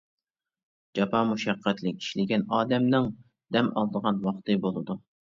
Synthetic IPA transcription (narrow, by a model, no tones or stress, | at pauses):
d͡ʒɑpʰɑmuʃɛqʰːæt̪lɪk̚ʲi̥ʃlɪɡʲɛnɑːd̪ɛmnɪŋ | d̪̥ɛmɑ̰lˠd̪əʁɑnwɑχt̪ɨbolˠɨd̪u